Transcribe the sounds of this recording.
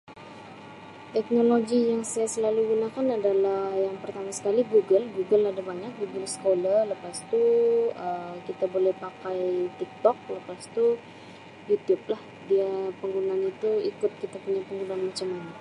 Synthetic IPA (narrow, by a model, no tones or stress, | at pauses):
t̪ɛk̚noloɡijaŋsajasəlaluɡunakanadalahjaŋpərt̪amasə̥kaliɡuɡəlɡuɡəladabaɲak̚ɡuɡəlsə̥kolaləpast̪uəkit̪abolɛhpakajt̪ik̚t̪ɔk̚ləpast̪u | jut̪jʊp̚lah | diapəŋɡunaanit̪uikʊt̪̚kit̪apuɲapəŋɡunaanmat͡ʃamana